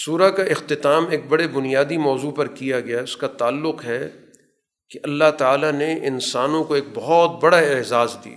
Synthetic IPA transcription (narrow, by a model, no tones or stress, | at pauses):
suːɾakaɪxt̪ɪt̪aːmeːk̚bɐɽebʊnijaːd̪imɔːzupɐɾkijaɡɐjaɦɛʊskat̪aːlːʊqɦɛ | keʔɐlːaɦt̪aːlaneʔɪnsaːnõkoeːk̚bɔɦɔt̪̚bɐɽaɪɦzaːzd̪ḭː